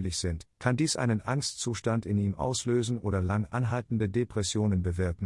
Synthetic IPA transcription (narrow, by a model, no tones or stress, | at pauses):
lɪçz̥ɪntkʰandiːsʔa̰ɪnənʔaŋstt͡suːʃtantɪniːmʔa̰ʊsløːzn̩ʔoːdɐlaŋʔa̰nɦaltn̩dədepʁ̥ɛsjoːnənbəvɪɐkŋ̩